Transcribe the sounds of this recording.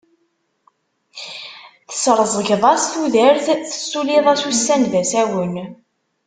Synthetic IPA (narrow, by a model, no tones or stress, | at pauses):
θə̥sɾˤzˤəʝðˤɑsθuðəɾθθə̥sːuliðˤæsusːænðæsæwən